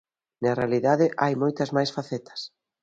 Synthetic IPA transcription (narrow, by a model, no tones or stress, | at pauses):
nɐrealiðaðɪʔajmojt̪ɐzmajsfaθɛt̪ɐ̥s